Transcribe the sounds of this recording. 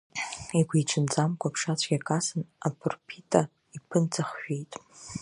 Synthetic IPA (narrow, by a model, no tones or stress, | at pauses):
iɡʷejʈ͡ʂʰɨnt͡sʼamkʷʰʼapʰʂat͡ɕʷʰʼɡʲakʼasɨnapʰɨrpʰitʰʼa | ipʰɨnt͡sʰaχʃᶣejtʼ